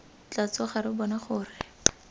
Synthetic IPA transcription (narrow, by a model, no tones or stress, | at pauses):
t͡ɬat͡sɔχaɾɪbɔnaχʊːrɪ